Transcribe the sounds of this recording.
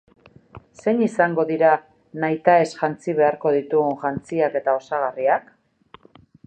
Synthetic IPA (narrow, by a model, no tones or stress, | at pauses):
se̞ɲisaŋɡo̞ðiɾa | najt̪ae̞sʝant͡siβ̞e̞aɾko̞ð̞it̪uɣunʝant͡siake̞t̪ao̞saɣ̞ariak